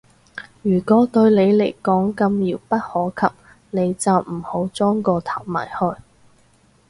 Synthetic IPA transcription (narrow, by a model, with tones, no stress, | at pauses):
jyː˨˩kɔː˨˥t̪ɵ˧ɥle˨˧jle˨˩jkɔː˨˥ŋkɐ˧mjiː˨˩wpɐ˥t̚hɔː˨˥kʰɐ˨p̚ | ne˨˧jt͡sɐ˨wm̩˨˩ho˨˥wt͡sɔː˥ŋkɔː˧t̪ʰɐ˨˩wma̰ː˨˩jhɔː˧j